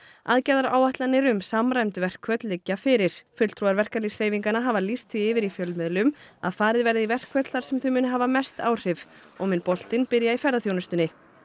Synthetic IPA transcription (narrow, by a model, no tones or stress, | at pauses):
aðcɛðaɾa̰ːwaht̪lanːɪɾʏmsamrajmt̪ʏvɛr̥kʰvœt̪lɪcːafɪɾɪɾ̥fʏt̪l̥t̪ɾuaɾvɛr̥kaɾlisɾ̥eːjviŋkanaɦaːvalist̪viɪːvɪɾifjœlmɪðlʏma̰ðfaːɾɪðvɛɾðɪivɛr̥kʰvœt̪lθaɾ̥sɛmθʏmʏːnɦaːvamɛst̪aːwr̥ɪv | ɔɣmʏnpɔl̥t̪ɪnpɪɾjaifɛɾðaθjoːwnʏst̪ʏnːɪ